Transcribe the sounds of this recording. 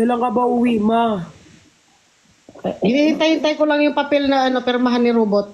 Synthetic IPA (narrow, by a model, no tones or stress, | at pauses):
ɛlɐŋkɐbaʔuwima | ɪniːhɪnt̪ajhɪnt̪ajkolaŋjʊŋpɐpɛlnɐʔɐno̞pɛɾmɐɦanːɪɾuːbot̪̚